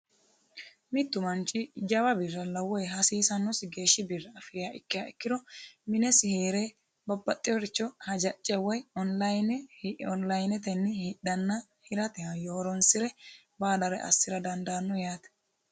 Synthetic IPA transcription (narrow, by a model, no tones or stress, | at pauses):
mɪt̪ːʊmɐnt͡ʃʼːɪd͡ʒɐwɐbɪrːɐlɐwːɔjɦɐsiːsɐnːɔsɪɡe̞ːʃːɪbɪɾːɛɐfɪjaːʔɪkːɪjaːɪkːɪd̪ɔmɪnɛsɪheːɾɛ | bɐbːɐt̪ʼːɪjɔɾɪt͡ʃːɔhɐd͡ʒɐt͡ʃʼːɪɛwɐjɔnlɐjnɔnlɐjnɛt̪ɛnːɪhiɗɐnːɐ | hɪɾɐt̪ɛhɐjoːɾɔnsɪɾɛ | baːd̪ɐɾɛ̰ʔɐ̰sːɪɾɐd̪ɐnd̪anːɔjaːt̪ɛ̥